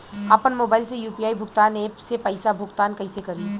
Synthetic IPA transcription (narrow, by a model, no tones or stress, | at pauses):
apənmoːbaːɪlsejuːpijaːibʱʊkt̪aːneːpsepɐɪsabʱʊkt̪aːnkɐɪsekɐɾi